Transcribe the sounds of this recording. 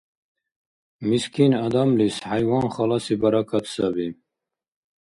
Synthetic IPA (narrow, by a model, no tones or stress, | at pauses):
miskʰinad̪amlishajwɑːnχɑlɑsibaɾakʰat̪ʰsabi